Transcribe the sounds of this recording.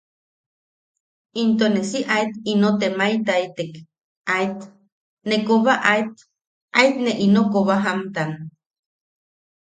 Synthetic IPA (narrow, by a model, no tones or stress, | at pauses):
int̪onesiʔait̪inot̪emait̪ait̪ek | ait̪ | nekoβaʔait̪ | ait̪neʔinokoβaɦamt̪an